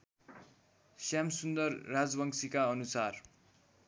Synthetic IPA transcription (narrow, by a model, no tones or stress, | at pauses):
sjamsund̪ʌrːad͡zbʌŋsikaʌnusar